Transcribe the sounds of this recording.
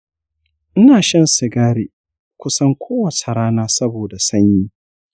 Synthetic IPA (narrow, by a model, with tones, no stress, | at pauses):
ʔɪ˦naː˨ʃɐ˦nsɪ˨ɡaː˦ɽiː˨ | kʷʊ˦sɐ˦ŋkʷʰoː˦wɐ˨t͡ʃe˨ɾaː˦naː˦sɐ˦boː˨da˨sɐ˦ɲji˦